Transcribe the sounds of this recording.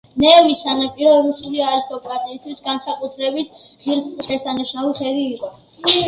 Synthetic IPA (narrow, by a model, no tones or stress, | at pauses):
nɛːvisanapʼiɾɔɾusuliaɾist̪ʼɔkʼɾat̪ʼiːst̪ʰwisɡansakʼut̪ʰɾɛbit̪ʰʁiɾsʃɛɾsaniʃauχɛd̪iːqʼɔ